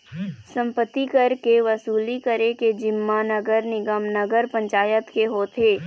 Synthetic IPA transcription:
sɐ̃mpət̪ːikəɾkeʋɐsuːlikəɾẽked͡ʒɪmːanəɡəɾnɪɡəmnəɡəɾpɐ̃ɲt͡ʃaːjət̪keɦoːt̪ʰeː

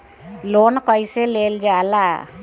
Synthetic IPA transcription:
loːnkʌjseleːld͡ʒaːla

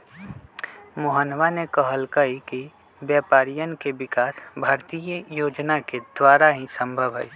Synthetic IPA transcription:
moɦənʋanekəɦəlkəiki | bjɛːpaːɾijənkebɪkaːsbʱaːɾt̪ijəjoːd͡ʒnaked̪waːɾaɦĩsə̃mbʱəbɦə̰i

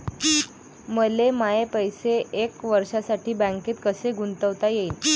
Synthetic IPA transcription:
məlemaepəjseekʋəɾʂasaʈʰiːbə̃ŋket̪kəseɡunt̪əʋt̪ajeiːn

